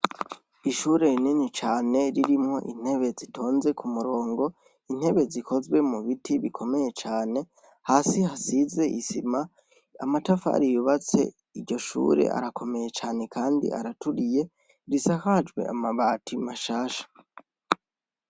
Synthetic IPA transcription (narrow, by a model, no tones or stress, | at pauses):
iʃuːɾe̞ɾininit͡ʃaːne̞ɾiɾimŋo̞̰ʔḭn̥he̞βe̞zitʰo̞ːnze̞kʰumuɾo̞ːŋɡo̞ | in̥he̞βe̞zikʰo̞zɡwemuβitʰiβikʰo̞me̞je̞t͡ʃaːne̞ | haːsihasize̞ʔisima | a̰matafa̰ɾijuβat͡se̞̰ | iɟo̞ʃṵːɾe̞̰ʔa̰ɾako̞me̞je̞t͡ʃaːne̞kʰaːndḭʔa̰ɾatuɾije̞ | ɾisahad͡ʒwe̞̰ʔa̰maβaːtʰimaʃaːʃḁ